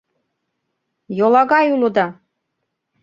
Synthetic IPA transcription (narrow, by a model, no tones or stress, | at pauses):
jolˠɑɡɑjulˠɤ̆d̪ɑ